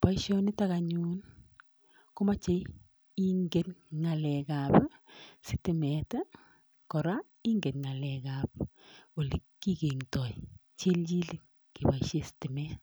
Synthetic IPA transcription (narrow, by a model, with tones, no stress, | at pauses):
pa˦iʃɔnɪ˦taka˨ɲu˦n | kʊ˦ma˦t͡ʃe˦j | i˦ŋɡe˨tŋa˨lɛ˨ka˨psɪtɪ˨mɛ˨ta˦ | kɔ˨ɾa˦ | i˦ŋɡe˨tŋa˨lɛ˨ka˨p̚ | wo˨li˨kːi˦ke˨ŋtɔ˨j | t͡ʃe˦ld͡ʒi˦li˦ | ki˨baiʃe˦si̥tɪ˨mɛ˦